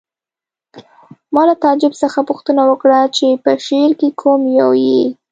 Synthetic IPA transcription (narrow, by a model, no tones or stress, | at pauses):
mɑlat̪ɑd͡ʒɪbsəxapʊxt̪ənawəkɽat͡ʃepəʃeɾkekʰomjawji